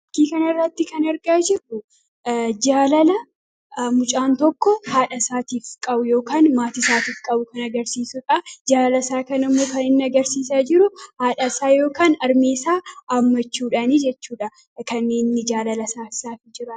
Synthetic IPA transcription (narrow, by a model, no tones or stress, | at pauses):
ɐkːiːkɐnɐɪrːɐt̪ːɪkɐnɐɾɡaːd͡ʒɪrːʊ | d͡ʒaːlɐlɐ | mʊt͡ʃʼaːnt̪ɔkːɔhaːᶑɐsaːt̪iːfkʼɐbʊjo̞ːkaːnmaːt̪ɪsaːt̪iːfkʼɐbʊkɐnɐɡɐɾsiːsʊᶑɐd͡ʒaːlɐsaːkɐnɪmːo̞ːkɐnɪnːɪɐɡɐɾsiːsad͡ʒɪɾʊhaːᶑɐsaːjo̞ːkaːnɐɾmeːsaːʔɐmːɐt͡ʃːuːᶑɐnid͡ʒɛt͡ʃːuːᶑɐ | kɐnːeːnːɪd͡ʒaːlɐlɐsaːsaːfɪd͡ʒɪɾɐ